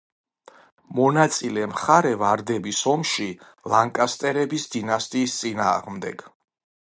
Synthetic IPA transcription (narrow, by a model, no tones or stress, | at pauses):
mɔnat̪sʼilɛmχaɾɛvaɾd̪ɛbisɔmʃi | lˠaŋkʼast̪ʼɛɾɛbisd̪inast̪ʼiːst̪sʼina̰ːʁmd̪ɛ̰ɡ̥